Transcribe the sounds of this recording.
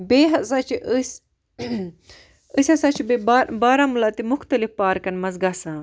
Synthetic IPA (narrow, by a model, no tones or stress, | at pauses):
beːɦɐsaːt͡ʃʰiʔəs | əsʲɐsaːt͡ʃʰibebaɾbaːɾaːmulaːt̪imʊxt̪ɐlifpaːɾkɐnmɐzɡaːsãː